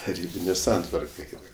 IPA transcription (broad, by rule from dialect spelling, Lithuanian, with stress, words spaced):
tɐˈrʲiːbʲɪnʲeː ˈsɐntʋɐrkɐ ˈɛɪnɐ